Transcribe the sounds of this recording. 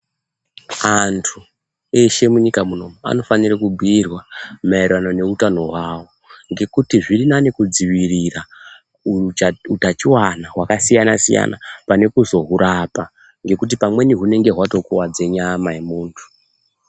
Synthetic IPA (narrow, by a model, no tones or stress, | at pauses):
antʰu | e̞ʃe̞muɲikamuno̞mua̰no̞fanirakubʱirwamairwanone̞utano̞ɦwaːwo | ŋɡe̞kutiʐirinanekud͡ziʋirira | uutat͡ʃiwanaɦwakasijanasḭja̰nʔa̰pane̞kuzo̞ɦuɾʔapa | ŋɡe̞kut̬ipamwe̞niɦune̞ŋɡe̞ɦwato̞kuwad͡ze̞ɲamajemuːntʰu̥